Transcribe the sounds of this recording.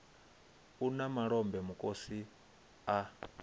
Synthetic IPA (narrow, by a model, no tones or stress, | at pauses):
unamaɺɔmbɛmukʼosi | a